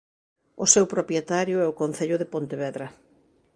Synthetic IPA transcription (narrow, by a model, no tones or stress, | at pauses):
ʊsewpɾopjet̪aɾjʊɛʊkon̟θeʎʊðɪpont̪eβɛðɾɐ